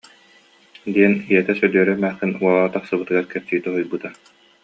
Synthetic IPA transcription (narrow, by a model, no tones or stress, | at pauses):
d̪iɛnijɛt̪ɛsœd̪yœɾɛmæːχt̪inuɔlˠːt̪aχsɯbɯt̪ɯɡaɾkɛɾt͡ɕiːt̪ɛɦujbɯt̪a